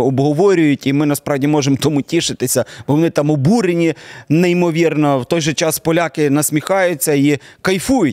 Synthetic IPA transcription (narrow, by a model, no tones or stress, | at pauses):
ɔbɦɔʋɔɾʲʊjʊtʲimɪnɐspɾɑwdʲimɔʒemt̪ɔmutʲiʃɪt̪ɪsʲɐb̥ɔʋɔnɪt̪ɑmɔbuɾenʲineimɔʋʲirnɔwt̪ɔjʒɛt͡ʃɑspɔlʲakɪnɐsʲmʲixɑjʊt͡sʲːɐikɐjfujʊtʲ